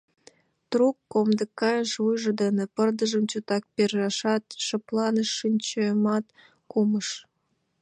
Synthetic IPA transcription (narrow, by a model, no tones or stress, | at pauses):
t̪rukːomd̪ə̆kːɑjʃvujʒɤ̆d̪enĕpərd̪əʒəmt͡ɕot̪ɑk̚perʒɑʃɑt̪ʃə̆plɑnəʃːinʲt͡ɕemɑt̪ | kuməʃ